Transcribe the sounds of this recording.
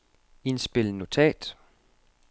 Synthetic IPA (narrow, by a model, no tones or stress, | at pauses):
insb̥e̝ləno̝t͡sʰɛ̰ːd̥